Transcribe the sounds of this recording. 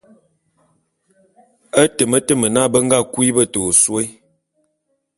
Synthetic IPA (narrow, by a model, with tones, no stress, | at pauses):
ə˦tə˨mə˦tə˦˨mə˨na˦˨bə˦ŋ̩˦ɡa˦˨kwi˦bə˦˨to˨swe˦j